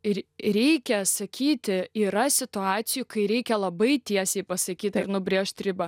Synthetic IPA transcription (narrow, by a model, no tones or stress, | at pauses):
ɪɾʲɛɪkʲɛsɐkʲʰiːt̪ʲɪiːɾɐsʲɪt̪ʊɑːt̪sʲɪjʊkɐɪɾʲɛɪkʲɛlˠɐbɐɪt̪ʲiɛsʲɛɪpɐsɐkʲiːt̪ɪɾnʊbʲɾʲeːʃt̪ʲɾʲɪbɐ